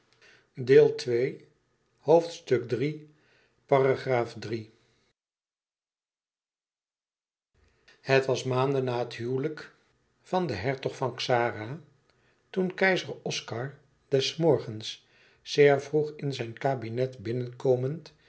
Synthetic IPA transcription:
deːlˠtʋej | howftstɵk̚dri | paraχraːfdri | hətʋɑsmaːndənaːɦətɦywlək | fɑndəɦɛɹtɔχfɑnksaːra | tunkɛjzəɹɔskɑɹ | dɛsmɔɹχəns | sɪːɹvruχɪnzɛjnkaːbinɛtbɪnənkowmənt

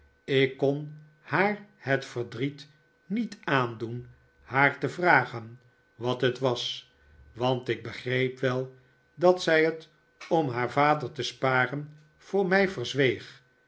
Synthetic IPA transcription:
ɪkːɔn | haːɹhətfəɹdrit | nitaːndun | haːɹtəvraːχən | ʋɑtɦətʋɑs | ʋɑntɪɡ̚bəχrejpʋɛlˠ | dɑtsɛjɦət | ɔmɦaːɹvaːdəɹtəspaːrən | v̥ʊːɹmɛjvəɹzʋejχ

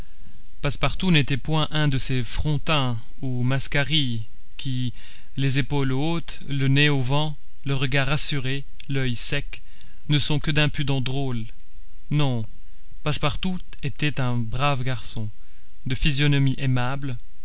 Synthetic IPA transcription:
paspaʁt̪unet̪ɛpwɛ̃ʔɛ̃d̪əsefχɔ̃t̪ɛ̃ | umaskaʁi | kʲʰi | lezepol | ot̪ | ləneovɑ̃ | ləʁəɡaʁasyʁe | lœjsɛk | nəsɔ̃kəd̪ɛ̃pyd̪ɑ̃d̪ʁol | nɔ̃ | paspaʁt̪u | et̪ɛt̪ɛ̃bʁavɡaʁsɔ̃ | d̪əfizjɔnɔmiʔemabl

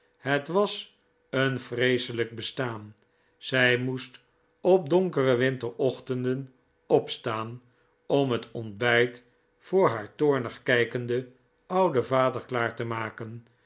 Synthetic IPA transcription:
ɦətʋɑs | ənfrejsələɡ̚bəstaːn | z̥ɛjmust | ɔp̚dɔŋkərəʋɪntəɹɔχtəndən | ɔpstaːn | ɔmɦətɔndbɛjt | fʊːɹɦaːɹtʊːɹnəχkɛjkəndə | ɑwdəvaːdəɹklaːɹtəmaːkən

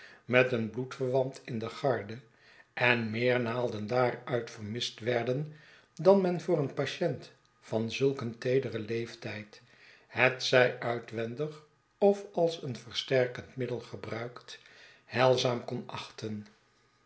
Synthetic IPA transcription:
mɛtənblutfəɹʋɑntʰɪndəχɑɹdə | ʔɛnmɪːɹnaːlˠdəndaːrœɥtfərmɪstʋɛɹdən | dɑnmɛnvʊːɾənpaʃɛnt | fɑnzɵlˠkəntejdərəlejftɛjt | hɛtsɛjœɥtʋɛndəχ | ɔfɑlˠsənvəɹstɛɹkəntmɪdəlˠχəbrœɥkt | hɛlˠzaːmkɔnʔɑχtən

